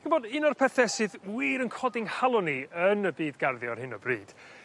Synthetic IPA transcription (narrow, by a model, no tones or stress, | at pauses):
ɡəmboːdɨnɔrpʰɛθɛsɨðwiːɾənkʰɔdɪŋhalˠɔniənəbiːdɡarðjɔrhɪnɔ̰brḭːd̥